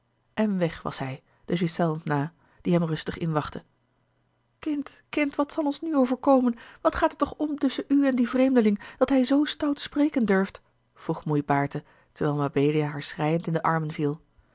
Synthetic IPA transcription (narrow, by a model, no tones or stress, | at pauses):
ʔɛnʋɛχʋɑ̰sɦɛj | d̥əzɪsɛlˠfnaː | d̥iɦɛmrɵstəχɪnʋɑχtə | kɪntkɪntʋɑtsɑlˠɔnsnyowvəɹkowmənʋɑtχaːtətːɔχɔmtʏsənyɛndivrejmdəlɪŋd̥ɑtɦɛjzowstawtsprejkəndɵɹft | v̥ruχmujbaːɹtə | təɹʋɛlˠmabejlijaɦaːɹsrɛjəntɪndəʔɑɹmənvilˠ